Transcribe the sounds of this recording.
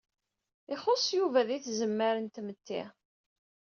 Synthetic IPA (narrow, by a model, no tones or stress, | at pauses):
ɪχosˤjuvæðiθzəmːəɾənt̪mət̪ːḭ